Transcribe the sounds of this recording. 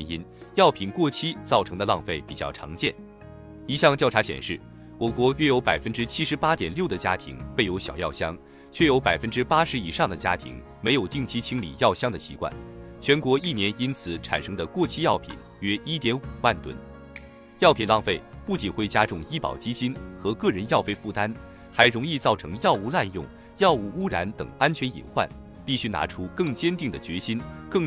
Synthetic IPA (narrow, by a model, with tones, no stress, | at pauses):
i˥n | jɑ˥˩ʊpʰi˨˩nkwɔ˥˩t͡ɕʰi˥t͡sɑ˥˩ʊʈ͡ʂʰɤ˧˥ŋd̪ə˧lɑ˥˧ŋfe˥˩ɪpi˨˩t͡ɕjɑ̰˥˩ʊʈ͡ʂʰɑ̰˧˥ŋt͡ɕjɛ̰˥˩n | i˧˥ɕjɑ˥˧ŋt̪jʊʈ͡ʂʰa˧˥ɕjɛ̰˨˩nʂɻ̩˥˩ | wɔ˨˩kwɔ˧˥ɥɛ˥jo˧˥ʊpa˨˩ɪfə˥nʈ͡ʂɻ̩˥t͡ɕʰi˥ʂɻ̩˧˥pa˥t̪jɛ˨˩nljo˥˩ʊd̪ə˩t͡ɕja˥t̪ʰḭ˧˥ŋpe˥˩ɪjo˧˥ʊɕjɑ˨˩ʊjɑ̰˥˩ʊɕjɑ˥ŋ | t͡ɕʰɥɛ˥˩jo˧˥ʊpa˨˩ɪfə˥nʈ͡ʂɻ̩˥pa˥ʂɻ̩˧˥i˨˩ʂɑ˥˩ŋd̪ə˩t͡ɕja̰˥t̪ʰḭ˧˥ŋ | me˧˥ɪjo˨˩ʊt̪i˥˩ŋt͡ɕʰi˥t͡ɕʰi˥ŋlḭ˨˩jɑ˥˩ʊɕjɑ˥ŋd̪ə˨˩ɕḭ˧˥kwa̰˥˩nt͡ɕʰɥɛ˧˥nkwɔ˧˥i˥˩njɛ˧˥ni˥nt͡sʰɹ̩˨˩˦ʈ͡ʂʰa̰˨˩nʂɤ˥ŋd̪ə˨kwɔ˥˩t͡ɕʰi˥jɑ˥˩ʊpʰḭ˨˩n | ɥɛ˥i˥t̪jɛ˧˥nu˨˩wa˥˩nt̪wə̰˥n | jɑ˥˩ʊpʰi˨˩nlɑ˥˧ŋfe˥˩ɪpu˥˩t͡ɕi˨˩nxwe˥˩ɪt͡ɕja˥ʈ͡ʂʊ˥˧ŋi˥pɑ̰˨˩ʊt͡ɕi˥t͡ɕi˥nxɤ˧˥kɤ˥˩ɻə˧˥njɑ˥˧ʊfe˥˧ɪfu˥˩t̪a˥n | xa˧˥ɪɻʊ˧˥ŋi˥˧t͡sɑ˥˩ʊʈ͡ʂʰɤ˧˥ŋjɑ˥˧ʊu˥˧la˥˧njʊ˥˩ŋ | jɑ˥˧ʊu˥˩u˥ɻa˧˥nt̪ɤ̰˨˩ŋa˥nt͡ɕʰɥɛ˧˥nḭ˨˩nxwa̰˥˩n | pi˥˩ɕy˥na̰˧˥ʈ͡ʂʰu˥kɤ˥˩ŋt͡ɕjɛ˥nt̪i˥˩ŋd̪ə˩t͡ɕɥɛ˧˥ɕi˥nkɤ˥˩ŋ